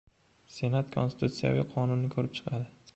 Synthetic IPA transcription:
se̞nat̪kʰonsɪ̥t̪ut̪sija̰vḭqʰɒnʊnːɪkʰɵɾɪp̚t͡ʃʰɨ̥qʰɑd̪ɪ

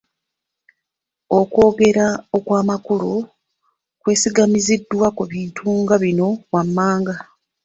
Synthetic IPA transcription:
o̞kwo̞ːɡe̞ɾao̞kwaːmakuɾu | kwe̞ːsiɡamizidːwakuβiːntʰuŋɡaβino̞wamːaːŋɡa

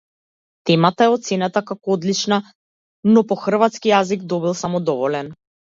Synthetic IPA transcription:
t̪ɛmat̪aɛɔt̪t̪sɛnat̪akakɔɔd̪lit͡ʃna | nɔpɔxr̩vat̪skijaziɡd̪ɔbilˠsamɔd̪ɔvɔlɛn

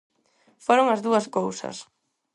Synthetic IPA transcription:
foɾoŋɐzðuɐskowsɐ̰s

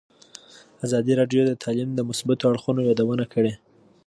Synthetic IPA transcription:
azɑd̪iɾɑɖjod̪ət̪ʰɑlimd̪əmʊsbat̪oaɽxunojɑd̪awənakʰəɽe

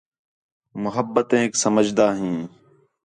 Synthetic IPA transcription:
mʊɦəbːət̪ẽːksəməd͡ʒd̪aːɦĩː

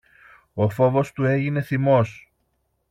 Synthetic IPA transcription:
o̞fo̞vo̞st̪ue̞ʝine̞θimo̞s

